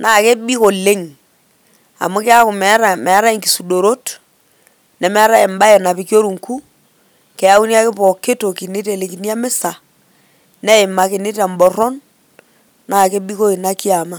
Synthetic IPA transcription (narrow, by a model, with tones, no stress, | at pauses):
naː˦˨ke˦ɓi˦ko˨le˦ŋ | a̰˨mʊ˦kɪ˦a˦kʊ˨mɛ˨˦ɾa˨mɛ˨a˦ɾa˦ɪ˨ŋki˨su˨do˨ɾo˦t | nɛ˨mɛ˦a˦ɾa˦ɪ˨mba˦e˨na˨pɪ˨kjo˦ɾu˨ŋku˦ | kɛ˨a˦u˦nja˦kɪ˦pɔ˨ke˦to˨ki˨ne˦te˨le˨ki˨ni˦a˦mɪ˦sa˨ | nɛ˦ɪ˨ma˨ke˨ne˦ta˨mbɔ˨ɾɔ˦n | naː˦˨ke˦ɓi˦ko˦i˨na˦ki˦a˨ma˦